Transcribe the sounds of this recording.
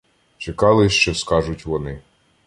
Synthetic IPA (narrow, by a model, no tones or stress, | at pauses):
t͡ʃekɑlˠɪʃt͡ʃɔskɑʒʊtʲʋɔnɪ